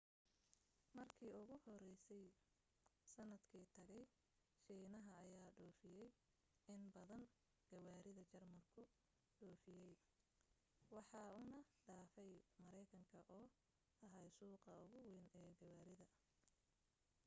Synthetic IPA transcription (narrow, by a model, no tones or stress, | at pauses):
mɐrkʰiːʊɣʊhɔrɛjsɛj | sɐnɐd̪kʰiːt̪ʰɐɣɛj | ʃiːnɐɦɐːjaːɖɔːfɪjɛj | ɪnbɐðɐn | ɡ̥ɐwaːɾɪðɐt͡ʃɐrmɐrkʰʊ | ɖɔːfɪjɛj | wɑħɑːuːnɐɖaːfɛjmɐɾɛjkʰɐŋkʰɐʔɔː | ɐɦɛjsuːqɑʊɣʊwɪnɛːɡɐwaːɾɪðɐ